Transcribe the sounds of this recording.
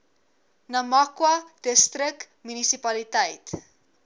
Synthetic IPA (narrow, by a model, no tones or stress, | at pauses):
nɐmɐkwɐd̥əstrək̚ | mynisipɐlitəjt